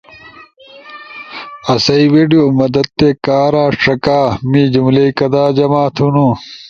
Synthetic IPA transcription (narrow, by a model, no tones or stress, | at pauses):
ɐsɐiweːɖijoːmɐd̪ɐd̪̚t̪eːkaːɾaːʂɐkaːmiːd͡ʑumleikɐd̪aːd͡ʑɐmaːt̪ʰunu